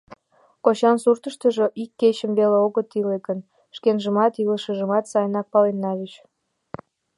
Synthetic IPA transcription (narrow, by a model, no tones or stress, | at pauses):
kot͡ɕɑnsurt̪əʃt̪ə̆ʒoʔikːet͡ɕəmβeleoɣət̪ilekən | ʃkenʒəmɑt̪iləʃəʒəmɑt̪sɑjnɑk̚pɑlenːɑβit͡ɕ